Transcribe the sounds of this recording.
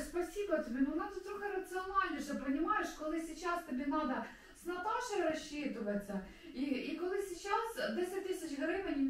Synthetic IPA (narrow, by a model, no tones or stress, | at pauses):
spɐsʲibɐtʲɪbʲenʊnat̪ʊt̪̚ʲt̪ɾoxəɾɐt̪sɨɐnalʲnʲɐʂt̪ɐpɾɐnʲɪmajɪʂkolˠɪsʲɪt͡ɕast̪ʲɪbʲenad̪ɐ | snɐt̪aʂɨɾɐɕːit̪ɨʋɐt͡sʲːɐ | iikolˠɪsʲɪt͡ɕasd̪ʲesʲɐt̚ʲt̪ɨsʲɪt͡ɕɣɐɾɐivɐnʲi